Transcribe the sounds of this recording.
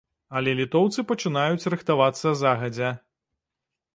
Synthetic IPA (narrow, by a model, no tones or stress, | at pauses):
ɐlʲɛlʲit̪ɔwt̪sɨpɐt͡ʂɨnajut͡sʲrɨxt̪avat̪sːɐzaɣɐd͡zʲɛ